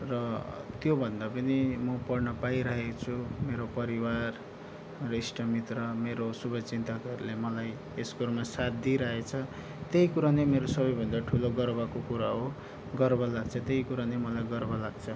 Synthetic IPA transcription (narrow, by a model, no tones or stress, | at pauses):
rʌt̪jobʱʌnd̪apʌnimʌpʌrnʌpaiɾʌɦet͡sʰumeɾopʌɾiwar | risʈʌmit̪rʌmeɾosubʱʌt͡sint̪ʌkʌɾlemʌlaj | eskoɾmasat̪d̪iɾʌɦet͡sʰʌ | t̪ejkuɾanemeɾosʌbʌjbʱʌnd̪aʈʰuloɡʌrbakokuɾaɦo | ɡʌrbʌlaɡt͡sʰʌt̪eɦjkuɾanemʌlajɡʌrbʌlaɡt͡sʰʌ